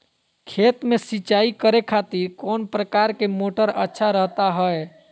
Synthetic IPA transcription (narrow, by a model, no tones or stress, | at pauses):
kʰet̪mesiːt͡ʃaikəɾekʰat̪iɾkɔnpɾəkaɾkemoʈəɾə̰tːʃʰaɾəɦt̪aɦəe